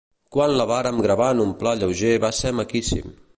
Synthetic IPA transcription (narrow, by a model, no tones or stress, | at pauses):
kwanləβaɾəmɡɾəβanumplaʎəwʒeβasɛmakisḭm